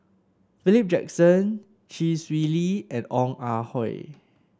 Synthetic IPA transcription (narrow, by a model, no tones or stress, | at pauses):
filip̚d͡ʒɛ̰ksə̃n | ʃiswiliɛ̃nɔ̃ŋahɔɪ